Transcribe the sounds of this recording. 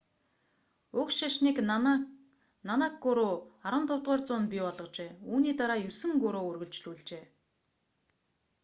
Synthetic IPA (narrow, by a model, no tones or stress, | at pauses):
ʊkʃaʃniːk | nanakɡʊɾoːaɾwə̆nt̪ʰʊːt̪ʁæːrt͡sʊːnpʲipɔɮʁɞ̆qt͡ɕeːuːniːt̪aɾaːjɵsɘ̆ŋɡɵɾoːɵrɣɵ̆ɮt͡ɕɮuːɮt͡ɕeː